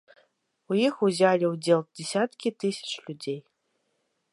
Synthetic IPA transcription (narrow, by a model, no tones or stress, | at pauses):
ujixuzʲalʲiwd͡zʲɛlˠd͡zʲɛsʲat̪kʲit̪ɨsʲɐ̥t͡ʂlʲud͡zʲej